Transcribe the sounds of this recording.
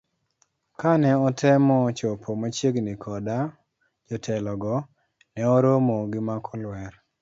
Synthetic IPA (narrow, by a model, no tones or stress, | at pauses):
kanɛɔtʰɛmɔt͡ʃɔpʰɔmat͡ʃjeɡnikʰɔda | d͡ʒɔtʰɛlɔɡɔ | nɛɔɾomɔɡɪmakʰɔlwɛr